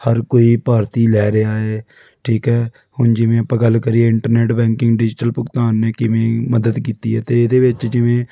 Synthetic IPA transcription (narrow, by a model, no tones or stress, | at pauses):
həɾkoːiːpaːɾt̪iːlɛːɾeaːeː | ʈʰiːkɦɛː | hʊnd͡ʒɪʋẽːəpãːɡəlkəɾiːeɪɳʈəɾneːʈbɛ̃ːŋkɪ̃ŋɡɖɪd͡ʒɪʈəlpʊkt̪aːnːeːkɪʋẽːməd̪əd̪kiːt̪iːɛːt̪eːɪd̪eːʋɪt͡ʃd͡ʒɪʋẽː